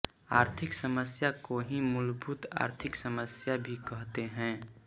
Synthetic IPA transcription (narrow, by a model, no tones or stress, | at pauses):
aːɾt̪ʰɪksəməsjakoɦĩmʊlbʱut̪a̰ːɾt̪ʰɪksəməsjabʱikəɦt̪eɦɛ̃ː